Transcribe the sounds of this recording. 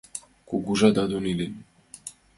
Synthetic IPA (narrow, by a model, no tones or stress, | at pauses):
kuɡuʒad̪ad̪onilen